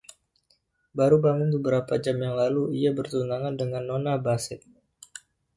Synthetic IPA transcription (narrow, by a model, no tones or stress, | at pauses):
baɾubamʊnbəbəɾapad͡ʒamjaŋlaluiabərt̪unaŋandəŋanːonabasɪt̪̚